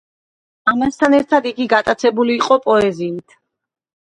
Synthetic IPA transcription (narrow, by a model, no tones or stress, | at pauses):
amast̪ʰanɛɾt̪ʰad̪iɡiɡat̪ʼat̪sʰɛbuliːqʼɔpʼɔɛziit̪ʰ